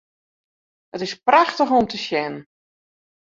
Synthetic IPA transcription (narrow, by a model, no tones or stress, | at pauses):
ətɪspraxtəxɔmtəʃjɛnən